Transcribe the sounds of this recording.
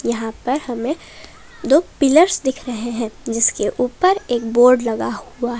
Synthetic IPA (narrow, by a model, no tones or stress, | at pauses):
jɐɦãpɐɾhɐmẽ | d̪oːpɪləɾsd̪ɪkʰɾɐɦeɦɛ̃ːd͡ʒɪskeʔuːpəɾeːkboːɾɖlɐɡahuaɦɛ